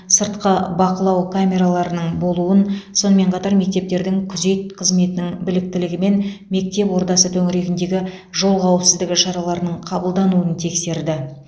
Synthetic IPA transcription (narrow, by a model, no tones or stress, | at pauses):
səɾt̪qəbɑqəlˠɑwkʰamʲe̞ɾalˠɑɾənəɴbo̞lˠuənso̞nəme̞ɴqʰɑt̪ɑɾme̞k̚t̪e̞p̚t̪e̞ɾd̪ɪŋkʲʰʏze̞t̪̚qʰəzme̞t̪ɪnɪŋbɪlɪk̚t̪ɪlɪɡʲɪme̞nme̞k̚t̪e̞pwo̞ɾt̪ɑsət̪ʰɵŋɪɾe̞ɡʲɪnd̪e̞ɡʲɪ | ʒo̞lˠʁɑwəpsɪzd̪ɪɡʲɪʃɑɾɑlˠɑɾnəɴqʰɑbəlˠd̪ɑnuənt̪ʰe̞kse̞ɾd̪ɪ